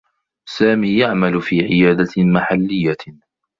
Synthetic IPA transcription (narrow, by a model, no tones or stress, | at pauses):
saːmiːjaʕmalʊfiːʕɪjaːd̪amaħalːɪjːa